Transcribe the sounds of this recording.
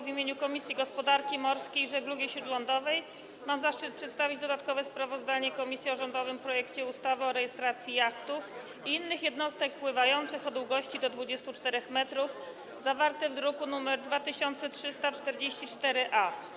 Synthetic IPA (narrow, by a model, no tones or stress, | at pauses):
vʲimʲeɲukɔmʲisʲjiɡɔspɔd̪aɾkʲimɔɾskʲejʐɛɡluɡʲiɕɾud̪lɔnd̪ɔvɛj | mamzaʂt͡ʂɘt̪̚pʂɛt̪st̪avʲid͡ʑd̪ɔd̪at̪kɔvɛspɾavɔzd̪aɲɛkɔmʲisʲjiɔʐɔnd̪ɔvɘmpɾɔjɛkt͡ɕɛust̪avɘɔɾɛjɛst̪ɾat̪sʲjijakt̪uf | iinːɘxjɛd̪nɔst̪ɛk̚pwɘvajɔnt̪sɘxɔd̪wuɡɔɕt͡ɕid̪ɔd̪vud͡ʑɛst̪ut͡ʂt̪ɛɾɛxmɛt̪ɾuf | zavaɾt̪ɛvd̪ɾukunumɛɾd̪vat̪ɘɕɔnt̪sɛtʂɘst̪at͡ʂt̪ɛɾd͡ʑeɕt͡ɕit͡ʂt̪ɛɾɘʔa